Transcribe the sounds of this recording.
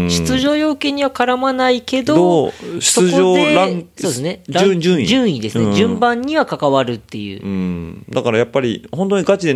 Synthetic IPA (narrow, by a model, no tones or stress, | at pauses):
ɕɨ̥t͡sɨʑo̞ːjo̞ːke̞ːɲ̟iβakaɾamanaike̞d̪ooɕi̥soɨʑoːeɾãŋsoːd̪sɨne̞ɾad͡ʑɨ̃id͡ʑɨ̃ɰ̃id̪e̞sɨned͡ʑɨ̃mbãɲ̟ːiβakakaβaɾɯ̟t̪ːe̞jɯ̟̰ːɯ̃d̪akaɾajapːaɾʲihõ̞nt̪oɲ̟iɡat͡ɕid̪e̞